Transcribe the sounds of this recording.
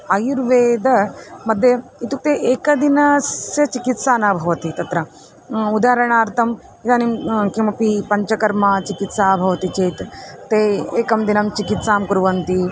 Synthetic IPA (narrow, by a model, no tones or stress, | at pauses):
ɐjuɾʋeːd̪ɐmɐd̪ʱjɐit̪uk̚t̪eʔeːkɐd̪inasjɐt͡ʃikit̪saːnaːbʱɐʋɐt̪it̪ɐt̪ɾɐ | ud̪aːɾɐɳ̃aːɾt̪ʰɐm | it̪aːnimkimɐpipɐɲt͡ʃɐkɐɾmɐt͡ʃikit̪saːbʱɐʋɐt̪it͡ʃeːt̪t̪eːeːkɐmd̪inɐmt͡ʃikit̪saːmkuɾʋɐnt̪i